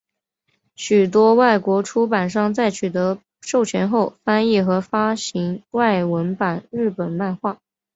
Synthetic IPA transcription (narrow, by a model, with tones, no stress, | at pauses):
ɕy˨˩t̪wɔ˥wa˥˩ɪkwɔ˧˥ʈ͡ʂʰu˥pa˨˩nʂɑ˥˧ŋt͡sa˥˩ɪt͡ɕʰy˨˩t̪ɤ˧˥ | ʂo˥˩ʊt͡ɕʰɥɛ˧˥nxo˥˩ʊfa˥ni˥˩xɤ˧˥fa˥ɕi˧˥ŋwa˥˩ɪwə˧˥npa˨˩nɻɻ̩˥˩pə˨˩nma˥˧nxwa˥˩